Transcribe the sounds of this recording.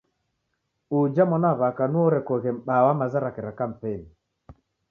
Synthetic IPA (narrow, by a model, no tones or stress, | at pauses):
ud͡ʒamɔnaβakanuɔɾɛkɔɣɛm̩ɓawamazaɾakɛɾakam̩pɛni